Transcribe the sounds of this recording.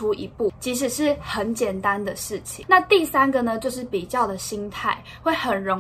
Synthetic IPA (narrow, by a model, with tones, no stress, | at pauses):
u˥ʔḭ˧˥pu˥˩t͡ɕʰi˧˦˥ʂ̬ɻ̩˨˩ʂɻ̩˥˩hə˨˦nt͡ɕjɛ˨˩nt̪a˦nd̪ə˨ʂɻ̩˥˩t͡ɕʰḭ˨na˥˧t̪i˥˨sa˦˥nɡə˨nə˨t͡ɕjo˥˧ʊʂ̬ɻ̩˥˩pi˨˩t͡ɕjɑ˥˩ʊd̪ə˩ɕi˦ŋt̪ʰa˥˩ɪ | xwe˥˩ɪxə˨˩nɻo˧˦